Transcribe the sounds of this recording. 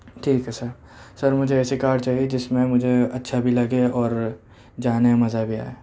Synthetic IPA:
ʈʰiːkɦɛsɐɾ | sɐɾmʊd͡ʒʱeɛːsekaːɾɖt͡ʃaːɦied͡ʒɪsmẽmʊd͡ʒʱeɐtːʃʰabʱilɐɡeɔːɾ | d͡ʒaːnemɐzabʱia̰ːeː

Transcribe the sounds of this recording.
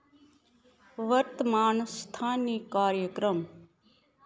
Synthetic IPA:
ʋəɾt̪əmaːnst̪ʰaːniːkaːɾjəkɾəm

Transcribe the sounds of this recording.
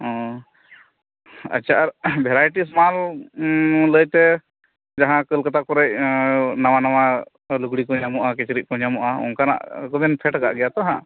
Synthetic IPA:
ɔ̃ | ə̰t͡ʃʰaʔaɾbʱɛɾajʈismal | ləjt̪ɛ | d͡ʒaɦãkəlkat̪akɔɾɛc̚nawanawa | luɡɽikɔɲamuʔakɛt͡ʃɾiʔ̚kɔɲamuʔaɔ̰ŋkana̰ʔkɔb̪ɛnpʰɛʈka̰ʔɡɛjat̪ɔɦã̰

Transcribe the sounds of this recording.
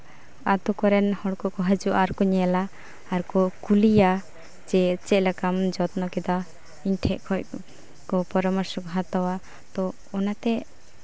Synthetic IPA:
at̪ukɔɾɛnhɔɽkɔʔkɔɦəd͡ʒuʔaɾkɔɲɛlaː | ɾkɔkulija | d͡ʒɛt͡ʃɛʔlakamd͡ʒɔt̪nɔkɛd̪a | inʈʰɛʔkʰɔc | kɔpɔɾɔmɔɾsɔkɔɦat̪ɔwa | t̪ɔ | ɔnat̪ɛ

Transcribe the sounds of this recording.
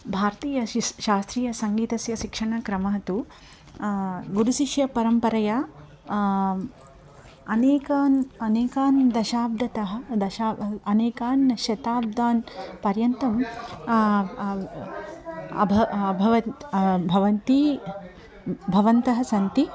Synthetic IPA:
bʱaːɾt̪iːjɐʃaːst̪ɾiːjɐsɐŋɡiːt̪ɐsjɐʃikʂɐɳɐkɾɐmɐɦɐt̪u | ɡuɾuʃiʃjɐpɐɾɐmpɐɾɐjaː | ɐneːkanɐneːkaːnd̪ɐʃaːb̚d̪ʱɐt̪ɐɦɐ̆d̪ɐʃaːɐneːkaːnɐʃjɐt̪aːb̚d̪aːnpɐɾjɐnt̪ɐm | ɐbʱɐbʱɐʋɐbʱɐʋɐnt̪i | bʱɐʋɐnt̪ɐɦɐsɐnt̪i

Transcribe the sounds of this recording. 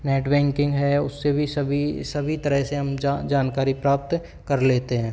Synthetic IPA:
nɛːʈbɛ̃ːŋkɪ̃ŋɡɦɛʊsːebʱisɐbʱisɐbʱit̪ɐɾəɦseɦɐmd͡ʒaːnkaːɾipɾaːp̚t̪ | kɐɾleːt̪eɦɛ̃ː

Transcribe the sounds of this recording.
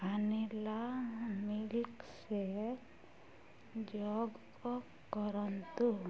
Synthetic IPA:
anilamilkse | d͡ʒɔɡkɔ | kɔɾɔnt̪u

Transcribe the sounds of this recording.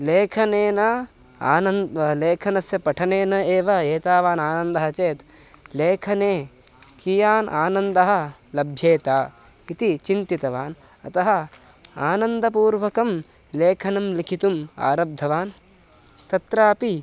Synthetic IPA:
leːkʰɐneːnɐ | aːnɐnleːkʰɐnɐsjɐpɐʈʰɐneːnɐeːʋɐeːt̪aːʋaːnaːnɐnd̪ɐɦɐt͡ʃeːt̪ | leːkʰɐneː | kijaːnʔaːnɐnd̪ɐɦɐ̆lɐbʱjeːt̪aː | it̪it͡ʃint̪it̪ɐʋaːn | ɐ̰t̪ɐɦɐ | aːnɐnd̪ʱɐpuːɾʋɐkɐm | leːkʰɐnɐmlikʰit̪uma̰ːɾɐb̚d̪ʱɐʋaːn | t̪ɐt̪ɾaːpi

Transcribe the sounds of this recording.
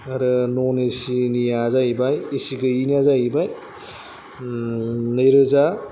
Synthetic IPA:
aɾɯnɔnesinijazaibajesiɡɯiniazajibaj | nɐjɾɯza

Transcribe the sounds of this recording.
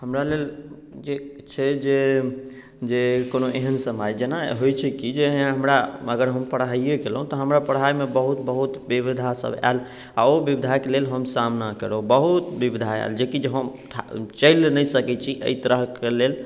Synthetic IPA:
həmɾalel | d͡ʒe | t͡ʃʰɛd͡ʒe | d͡ʒekonoʔeɦənsəmajd͡ʒenaɦojt͡ʃʰɛkid͡ʒeɦəmɾaəɡəɾɦəmpəɽaiekelɦũt̪ɔɦəmɾapəɽɦajmebəɦut̪bəɦut̪bibid̪ʱasə̰ba̰l | a̰obibid̪ʱakelelɦəmsamnakəɾobəɦut̪bibid̪ʱaa̰ld͡ʒekid͡ʒeɦəmʈʰat͡ʃəjlnəjsəkɛt͡ʃʰiʔə̰it̪əɾəɦkelel

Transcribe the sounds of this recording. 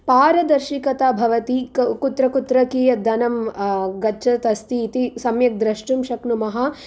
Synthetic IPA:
paːɾɐd̪ɐɾʃikɐt̪aːbʱɐʋɐt̪ikut̪ɾɐkut̪ɾɐkiːjɐd̪ɐnɐmɡɐt͡ʃʰɐt̪ɐst̪iːt̪isɐmjɐk̚d̪ɾɐʂʈumʃɐkɳumɐɦɐ

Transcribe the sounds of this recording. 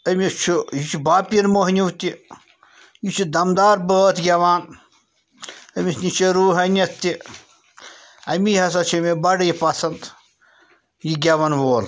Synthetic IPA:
ɐmʲit͡ʃʰujit͡ʃʰubaːpiɾmoɦnʲiʋt̪i | jit͡ʃʰud̪ɐmd̪aːɾbəːt̪ɡʲɐʋaːn | ɐmʲisnʲit͡ʃɐɾuːɦɐnʲɐt̪ːi | ɐmiɦɐsɐt͡ʃʰɐmebɐɽɐjipɐsɐnd̪ | jiɡʲɐʋɐnʋoːl

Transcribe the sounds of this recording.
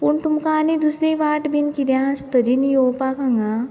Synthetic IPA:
puɳʈ̪umkaːnid̪usɾeʋaːʈbinkid̪jãst̪əɾinijoːpakaŋɡa

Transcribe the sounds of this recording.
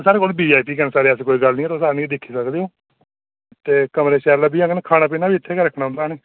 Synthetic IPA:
saːɾeːkoːlbiːaːipiːkənːsaːɾeːəskoːiːɡəlnĩːɛːt̪oːsaːɾeːnĩːd̪ɪkʰːiːsəkd̪eːɦoː | t̪eːkəmɾeːʃɛːɾlabiːãŋɡnekʰaːnãːpiːnaːbiːɪt̪ʰːeːkeɾəkʰnaːʊ̃nd̪aːneː

